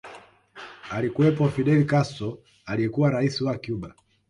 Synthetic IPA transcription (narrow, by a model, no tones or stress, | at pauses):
alikuwɛpɔfiɗɛlikasɔ | alijɛkuwaɾaisiwakjuɓa